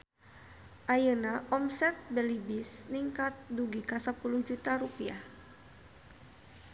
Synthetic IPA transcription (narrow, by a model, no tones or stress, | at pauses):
ʔajənaʔɔmsɛt̪̚bɛlibisniŋkat̪̚duɡikasəpuluhd͡ʒut̪aɾupiah